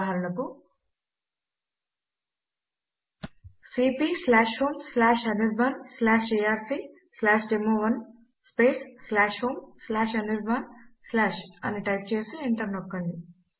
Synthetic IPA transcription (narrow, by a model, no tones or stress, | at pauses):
ɦaːɾulɐku | siːpiːslaːʃhoːmslaːʃɐniɾbʱɐnslaːʃiːjaːɾsi | slaːʃɖemoːʋɐn | speːsːlaːʃɦoːmslaːʃɐniɾbʱaːnslaːʃɐ̰niʈɐjp̚t͡ʃe̞ːsieɳʈɐɾnɔkːɐɳɖi